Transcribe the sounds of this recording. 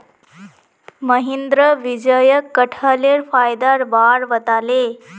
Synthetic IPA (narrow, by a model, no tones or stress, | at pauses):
məɦend̪ɾəʋid͡ʑəjəkːəʈʰaleɾfajd̪aɾbaɽʋət̪ale